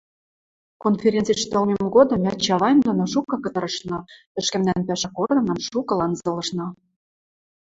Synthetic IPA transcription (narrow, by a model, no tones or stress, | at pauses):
konfʲeɾʲent͡siʃt̪ɤ̆lmʲemɡod̪ɤ̆mæt͡ɕɑβɑjmd̪onoʃukɤkɤ̆t̪ɤ̆ɾɤ̆ʃnɑ | ɘ̆ʃkɘ̆mnænpæʃækord̪ɤ̆nɤ̆mʃukɤ̆lɑnzɤ̆lɤ̆ʃnɑ